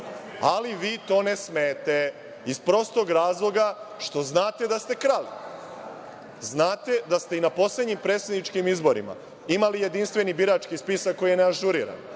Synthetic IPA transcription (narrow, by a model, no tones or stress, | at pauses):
aliʋiːt̪o̞ːnesmeːt̪e̞ | ispɾo̞ːst̪o̞ɡɾaːzlˠo̞ɡaʃt̪o̞znaːt̪e̞d̪ast̪e̞kɾalḭ | znaːt̪e̞d̪ast̪e̞inapo̞sled̪ɲimpɾeːt̪sed̪nit͡ʃkimizbo̞ɾḭma̰ | imalije̞d̪inst̪ʋe̞nibiɾat͡ʃkispisakːo̞jijeneaʒuɾḭːɾa̰n